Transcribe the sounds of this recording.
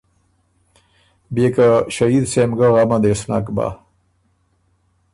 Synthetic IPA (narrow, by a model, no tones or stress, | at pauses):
bekaʃaid̪semɡəʁamad̪esna̰kba̰